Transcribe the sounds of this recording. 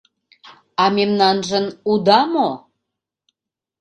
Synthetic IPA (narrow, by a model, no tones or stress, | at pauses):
ɑmemnɑnʒə̆nud̪ɑmo